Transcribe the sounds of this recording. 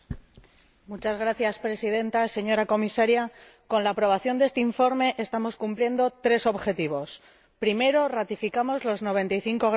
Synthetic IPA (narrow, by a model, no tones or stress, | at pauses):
mut͡ʃazɣɾaθjaspɾe̞sið̞e̞nt̪ase̞ɲo̞ɾako̞misaɾja | ko̞nlaːpɾo̞β̞aθjo̞nd̪est̪eiɱfo̞ɾme̞ʔest̪amo̞skumplje̞nd̪o̞t̪ɾe̞so̞βxe̞t̪iβo̞s | pɾime̞ɾo̞rat̪ifikamo̞zlo̞zno̞β̞e̞nt̪ajθiŋko̞ɣ